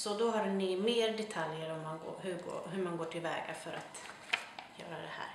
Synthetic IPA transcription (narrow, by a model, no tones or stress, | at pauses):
sɔd̪ɔɦaɾnymeːɾd̪ɛt̪ʰaljəɾɔmːanɡo̰ɦɵɡo̰ːɦɵɾmanɡoːʈʰɪlvɛ̰ːɡa̰fœɾʔat̪ | jœ̰ːɾad̪ɛhæ̰ːɾ